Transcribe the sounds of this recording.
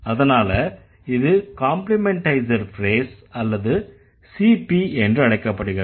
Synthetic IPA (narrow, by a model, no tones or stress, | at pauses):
ɐðɐnaːlɐ | ɪðɯkaːmplɪmɛɳʈɐɪsɐɾfɾeːsɐlːɐðɯ | siːpiɛndrɯɐɽɐɪkːɐpːɐɽɯɣɪɾ